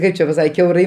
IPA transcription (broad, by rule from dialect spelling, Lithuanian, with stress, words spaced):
ˈkɐɪp t͡ʃʲɛ pɐˈsɐk kʲɛʊˈrɐɪ